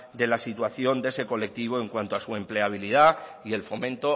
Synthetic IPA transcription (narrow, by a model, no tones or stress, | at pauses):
d̪e̞lasit̪waθjo̞nd̪e̞se̞ko̞le̞k̚t̪iβ̞o̞e̞ŋkwant̪oasue̞mple̞aβ̞iliða | ie̞lfo̞mẽnt̪o̞